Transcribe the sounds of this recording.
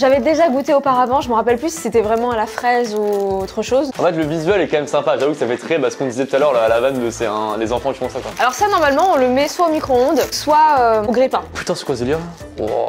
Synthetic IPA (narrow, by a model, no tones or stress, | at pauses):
ʒavɛd̪eʒaɡut̪eopaʁavɑ̃ʒəməʁapɛlplysi̥set̪ɛvʁɛmɑ̃alafχɛzuot̪χəʃozɑ̃fɛt̪̬ləvizɥɛlɛkɑmɛmsɛ̃paʒavukə̥safɛt̪χɛbasə̥kɔ̃d̪izɛt̪ut̪alœʁlaalavand̪əsɛɛ̰̃lezɑ̃fɑ̃t̪yfɔ̃sakwaalɔʁsanɔʁmalmɑ̃ɔ̃ləmɛswaomikχoɔ̃d̪swaøoɡʁipɛ̃py̥t̪ɑ̃sə̥kwazeliʁ | wa̰